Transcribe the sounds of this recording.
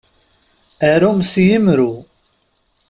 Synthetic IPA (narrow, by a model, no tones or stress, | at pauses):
æɾumsjimɾu